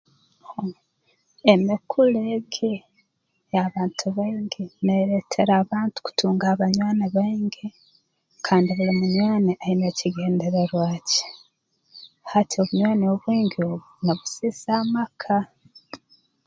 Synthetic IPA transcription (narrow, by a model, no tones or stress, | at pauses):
o | emikʰuleɡe | aβaːntʰuβaiŋɡeneːɾetʰeɾaːβaːntu̥ku̥tʰuːŋɡaːβaɲwaːneβaiŋɡe | kʰaːndiβulimuɲwaːneʔaineciɡe̞ːndeɾeɾwaːce̥ | hatʰio̞βuɲwaːneoβwiːŋɡioːβunaβusiːsaːmakʰa